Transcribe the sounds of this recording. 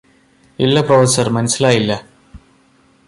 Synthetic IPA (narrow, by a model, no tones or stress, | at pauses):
ilːɐprofɐsɐrmɐnɐsilaːjilːɐ